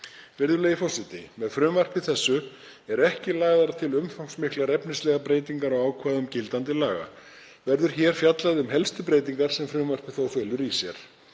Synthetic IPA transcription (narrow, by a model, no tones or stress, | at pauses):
vɛɾðʏleːjfɔsɪt̪ɪmɛðfɾʏːmvar̥pɪθɛsːʏ | ɛɾɛhcɪlaːɣðaɾat̪ʰɪlʏmfawŋksmɪhklaɾɛpnɪslɛɣapɾeːjt̪iŋkaɾawaːwkʰvaːðʏmcɪlt̪ant̪ɪlaːɣa̰ | vɛɾðʏɾ̥çɛːɾ̥fjat̪laðɪʏmɦɛlst̪ʏpɾeːjt̪iŋkaɾ̥sɛmfɾʏːmvar̥pɪθowfeːlʏɾisjɛɾ̥